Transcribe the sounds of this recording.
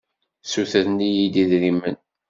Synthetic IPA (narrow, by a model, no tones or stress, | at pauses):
suθəθnijid̪iðɾimːə̰n